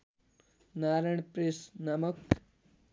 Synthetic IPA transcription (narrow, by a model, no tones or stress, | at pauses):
naːɾɐɳpɾesnɐmək